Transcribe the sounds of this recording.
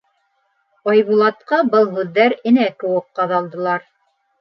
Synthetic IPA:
ɑjβulˠɑt̪qɑbɤlˠɦʉðːæɾɘ̆nækɘ̆wɘk̚qɑðɑlˠd̪ɤ̆lˠɑɾ

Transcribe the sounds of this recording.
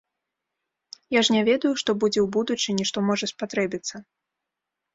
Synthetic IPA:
jaʐnʲavʲɛd̪ɐjuʂt̪ɔbud͡zʲɛwbud̪ut͡ʂɨnʲiʂt̪ɔmɔʐɐspat̪ɾɛbʲit̪sːɐ

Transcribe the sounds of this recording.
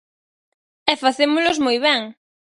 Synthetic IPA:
ɛfaθemʊlʊzmojβɛŋ

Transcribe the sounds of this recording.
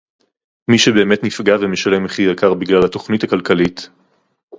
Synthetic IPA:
miʃebe̞ːme̞tnifɡavemeʃale̞meχijakaʁbiɡlalhato̞χnithakalkalit

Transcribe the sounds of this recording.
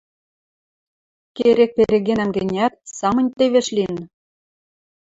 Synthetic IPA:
keɾek̚peɾeɣenæmɡʲɘ̆nʲæt̪̚sɑmɤ̆nʲt̪eβʲeʃlʲin

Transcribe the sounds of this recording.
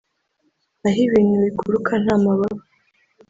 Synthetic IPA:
aɦiβiːn̥huβikuɾukʰan̥aːmaβaβu

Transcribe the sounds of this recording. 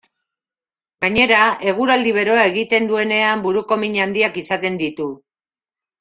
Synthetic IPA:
ɡaɲe̞ɾae̞ɣ̞uɾald̪iβ̞e̞ɾo̞ae̞ɣit̪e̞nd̪ue̞ne̞ambuɾuko̞miɲand̪iakisat̪e̞nd̪it̪u

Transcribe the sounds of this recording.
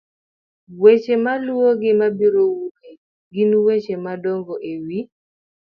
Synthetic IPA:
wet͡ʃemalwoɡɪmabiɾowuke | ɡinwet͡ʃemadɔŋɡoʔewi

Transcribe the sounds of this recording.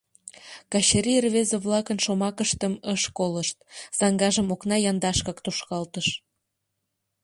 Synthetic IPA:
kɑɕeɾirβezeβlɑkənʃomɑkəʃt̪əməʃkoləʃt̪̚z̥ɑŋɡɑʒəmoknɑjɑnd̪ɑʃkɑkt̪oʃkɑlt̪əʃ

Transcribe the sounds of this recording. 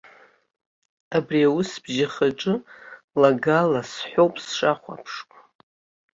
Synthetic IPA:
abriawʊsb̥ʒaχaʈ͡ʂʼɨ | laɡalasħʷᶣowpʼsʂaχʷa̰pʰʂkʼ

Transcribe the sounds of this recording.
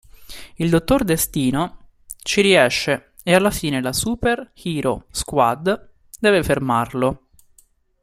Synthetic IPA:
ild̪ot̪ːord̪est̪iːno | t͡ʃiɾiɛʃːe | ealːafiːnelasuperxiːɾoskwad̪ | d̪ɛːvefermarlo

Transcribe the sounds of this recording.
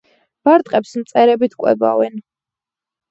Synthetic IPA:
b̥aɾt̪ʼqʼɛpsmt̪sʼɛɾɛbit̪ʰkʼwɛ̰ba̰vɛn

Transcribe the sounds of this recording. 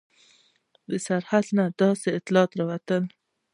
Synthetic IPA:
d̪əsaɾhad̪nad̪̥ɑseɪt̪lɑːt̪ɾawat̪əl

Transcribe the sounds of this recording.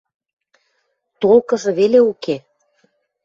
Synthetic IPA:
t̪olkɤ̆ʒɤ̆βeleuke

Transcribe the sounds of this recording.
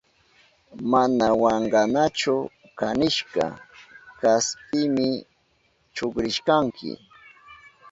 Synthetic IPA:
manawɑɴɢɑnat͡ʃʊ | kanɪʃkɑ̰kaspɪmɪ | t͡ʃʊkɾɪʃkaŋkʰɪ̰

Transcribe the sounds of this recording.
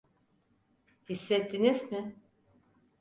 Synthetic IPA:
hisːɛt̪ʰːinizmɪ

